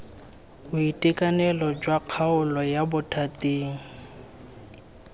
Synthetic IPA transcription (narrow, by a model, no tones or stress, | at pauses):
bʊitʼikʼanɛlɔd͡ʒwaq͡χʰaʊlɔjabʊtʰatʼiːŋ̩